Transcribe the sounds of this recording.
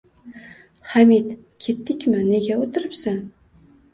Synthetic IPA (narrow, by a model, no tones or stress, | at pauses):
χamit̪ | kʲʰe̞t̪ːɪkʲmɪne̞ɡʲaot̪ʰɪɾɪpsan